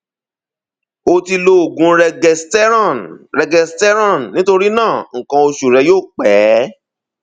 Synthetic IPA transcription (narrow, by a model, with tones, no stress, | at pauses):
o˧ti˧lo˧o˨ɡũ˧ɾɛ˧ɡɛ˧stɛ˦ɾnɾɛ˧ɡɛ˧stɛ˦ɾã˦˨nnĩ˨˦to˧ɾi˦nãː˦˨ŋ̩˨kã˧o˧ʃu˨ɾɛ˧joː˦˨k͡pɛː˨˦